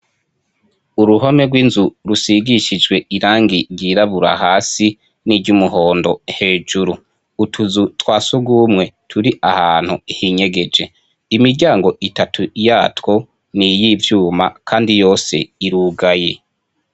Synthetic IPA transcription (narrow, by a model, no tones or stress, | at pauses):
uɾuɦomeɡwinzuɾusiɡiʃid͡ʒɡwe̞iɾaːŋɡiɾɟiːɾaβuɾa̰ɦaːsi | niɟumuɦo̞ːndo̞he̞ːʒuɾuː | tʰuzutwaːsuɡuːmŋe̞tʰuɾiʔahaːn̥huihiːɲe̞ɡe̞d͡ʒe̞ | imiɾɟaːŋɡo̞ʔitatʰuijaːtwo̞ | nijivjuːma̰kʰaːndijo̞ːse̞̰iɾuːɡaje̞